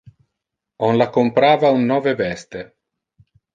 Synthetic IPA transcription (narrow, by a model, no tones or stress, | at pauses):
ɔnlakompɾaːvaunːɔːvevɛst̪e